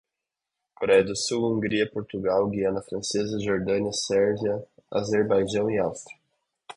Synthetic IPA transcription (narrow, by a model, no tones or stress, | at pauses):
koɾɛjɐd̪ʊsuwũŋɡɾiɐpoɾt̪uɡawɡiɐ̃nɐfɾɐ̃sezɐʒoɾd̪ɐ̃niɐsɛɾʒiɐa̰zeɾbajʒɐ̃w̃iawst̪ɾiɐ